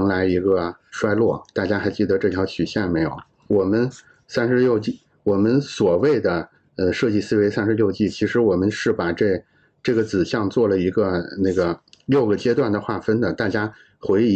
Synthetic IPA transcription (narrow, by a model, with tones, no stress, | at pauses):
ŋla˧˥ɪi˧˥ɡə˧ʂwa˥ɪlwɔ˥˩t̪a˥˩t͡ɕja˥xa˧˥ɪt͡ɕi˥˩d̪ə˩ʈ͡ʂɤ˥˩t̪ʰjɑ˧˥ʊt͡ɕʰy˨˩ɕjɛ˥˩nme˧˥ɪjo˨˩˦ʊ | wɔ˨˩mə˦n | sa˥nʂɻ̩˧˥ljo˥˧ʊt͡ɕi˥˩ | wɔ˨˩mə˦nswɔ˨˩we˥˩ɪd̪ə˩ | ə˧ʂɤ˥˧t͡ɕi˥˩sɹ̩˥we˧˥ɪsa˥nʂɻ̩˧˥ljo˥˧ʊt͡ɕi˥˩t͡ɕʰi˧˥ʂɻ̩˧˥wɔ˨˩mə˦nʂɻ̩˥˩pa˨˩ʈ͡ʂe˥˧ | ʈ͡ʂɤ˥˩ɡə˩t͡sɹ̩˨˩ɕjɑ˥˧ŋt͡swɔ˥˩lə˩i˧˥ɡə˧na˥˩ɡə˩ljo˥˩ʊɡə˩t͡ɕjɛ˥t̪wa˥˩nd̪ə˩xwa˥˩fə˥nd̪ə˨t̪a˥˩t͡ɕja˥ | xwe˧˥ɪi˧˥